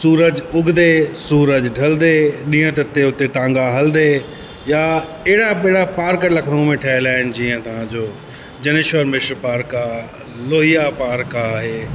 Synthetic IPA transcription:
suːɾəd͡ʑʊɡd̪esuːɾəd͡ʑɖʱɐld̪eɗĩːə̃t̪ɐt̪ːeʊt̪eʈãːŋɡaɦɐld̪e | jaeɦɽaɓɪɽapaːɾklɐkʰɽõmẽʈʰɛːɪlaːɪn̆d͡ʑiːə̃t̪ɐʋ̤ãd͡ʑoː | d͡ʑɐnɪʃʋəɾmɪʃɾpaːɾka | loːɦijapaːɾkaːɦeː

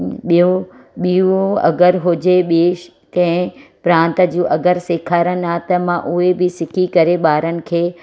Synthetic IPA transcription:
ɓijuɓiũɐ̰ɡəɾɦʊd͡ʑeɓeːʃ | kɐ̃ɦɪ̃pɾãːnt̪ə̆d͡ʑũːʔɐɡəɾseːkʰaːɾən̆aːt̪ɐmãʔʊɦebɪsɪkʰikɐɾeɓaːɾənɪ̆kʰeː

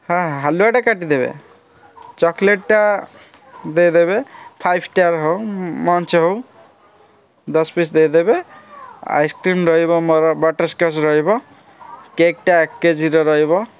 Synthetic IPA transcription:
hãɦaluaʈakaʈid̪ebḛ | t͡ʃɔkleʈːa | d̪ejd̪eβepʰajbʰʱʈaɾɦowmɔnt͡ʃɦow | d̪ɔspisd̪ejd̪ebe | a̰jskɾimɾɔɦibɔmbɔʈəɾskasɾɔɦibɔ | kek̚ʈaekːed͡ʒiɾɔɾɔɦibɔ

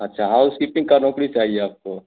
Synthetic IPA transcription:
ɐtːʃʰaɦaʊʊskipɪ̃ŋɡkanɔ̃ːkɽit͡ʃaːɦieaːp̚ko

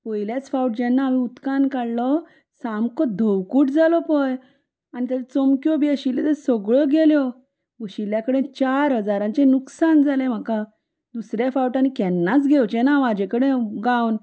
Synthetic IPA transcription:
pɔjljat͡sfawʈ̚d͡ʑɛnːaːmiut̪kankaɽlɔ | samkɔd̪ʱəwkuʈd͡zalɔpɔj | anit̪əɾt͡sɔmkjɔbiəɕilet̪əsɔɡɭɔɡʱeljɔ | ɡəɕiljakəɽẽt͡ɕaɾɦəd͡zaɾãt͡ɕenuksand͡zalem̤əka | d̪usɾjafawʈañikɛnːat͡sɡʱewt͡ɕenaʋad͡ʑẽkəɽẽɡawn

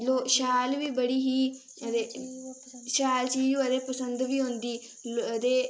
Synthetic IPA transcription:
loːʃaːlʋiːbəɽiːɦiː | d̪e | ʃaːlt͡ʃiːd͡ʒuːəd̪eːpəsə̃nd̪ʋiːɦʊ̃nd̪iː | d̪eː

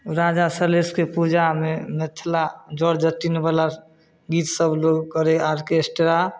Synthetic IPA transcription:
ɾad͡ʒasəɾleskepud͡ʒamemet̪ʰlad͡ʒɔɽd͡ʒət̪ːinebala | ɡit̪səbʱloɡkəɾeaɾkesʈɾa

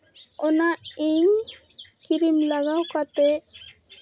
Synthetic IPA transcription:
ɔnaʔiŋkiɾimlaɡawkat̪ɛ

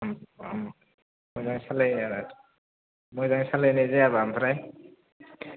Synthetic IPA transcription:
amm | mɔjzaŋsalaj | mɔjzaŋsalajnezeaβaampʰɾaj

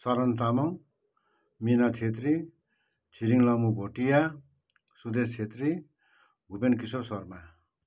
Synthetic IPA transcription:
sʌɾʌnt̪̬amʌŋ | minat͡sʰet̪ɾi | t͡sʰiɾiŋlʌmubʱoʈija | sud̪est͡sʰet̪ɾi | ɡʱubenkisosʌrma

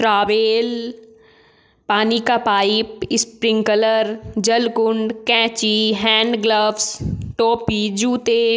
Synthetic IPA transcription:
ʈɾaːʋeːl | paːnikapaːɪpɪspɾɪ̃ŋkələɾd͡ʒɐlkʊɳɖkɛ̃ːt͡ʃiɦɛ̃ːɳɖɡləʋsʈoːpid͡ʒuːt̪e

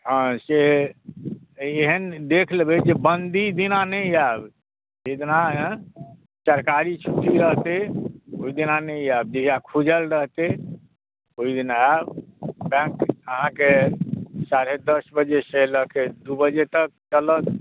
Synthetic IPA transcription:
ɦə̃se | eɦənd̪ekʰlebed͡ʒebənd̪ʱid̪inanəiab | d͡ʒed̪inã | t͡ʃəɾkaɾit͡ʃʰuʈiɾəɦt̪eoid̪inanəiabd͡ʒeakʰud͡ʒəlɾəɦt̪e | oid̪inaabbɛ̃kəɦãke | saɾed̪əsbəd͡ʒesələked̪ubəd͡ʒet̪ək̚t͡ʃələt̪

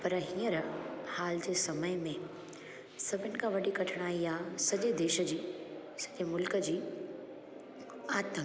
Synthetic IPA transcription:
pɐɾɦĩːəɾhaːld͡ʑeːsɐməɪmẽ | sɐbʱɪnɪ̆kʰãʋɐɗikɐʈʰɽ̃aːijaːsɐʄed̪eːʃə̆d͡ʑiː | sɐʄemʊlkə̆d͡ʑiː | aːt̪ə̃ŋk

